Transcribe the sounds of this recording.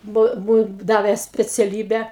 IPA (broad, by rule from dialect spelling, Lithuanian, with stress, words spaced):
ˈbʊ ˈbʊ ˈdɑːʋʲeː sʲpʲɛt͡sʲɛˈlʲiːbʲæː